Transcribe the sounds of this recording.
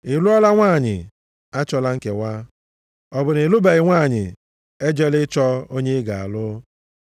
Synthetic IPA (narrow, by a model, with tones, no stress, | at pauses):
ɪ˨lu˦ɔ˦la˦ŋʷaː˦˨ɲɪ̰˨ | a˦t͡ʃɔ˦la˦ŋ̩˦ke˨wʷa˦ | ɔ˨bʊ˨nɪ˨lu˦be˨ɣɪ˨ŋʷaː˦˨ɲɪ̰˨ | e˦d͡ʒe˦lɪ˦t͡ʃɔ˦o˦ɲe˦ɡa˨a̰˨lʊ˦